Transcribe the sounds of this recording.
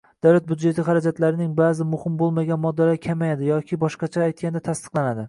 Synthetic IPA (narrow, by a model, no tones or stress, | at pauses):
d̪̥awlat̪̚bud̪d͡ʒe̞t̪ʰɪχaɾad͡ʒat̪laɾɪnɪŋbaːzɪmʊhɪmbolˠmaɡʲanmɒd̪ːalakʲʰamajad̪ɪjɒkʲʰɪbɒʃqɑt͡ʃʰaːjt̪̚ɡʲand̪at̪ʰast̪ɨ̥qlˠanad̪ɪ